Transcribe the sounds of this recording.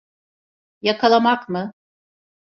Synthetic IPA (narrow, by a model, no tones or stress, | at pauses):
jakʰalˠamakmɯ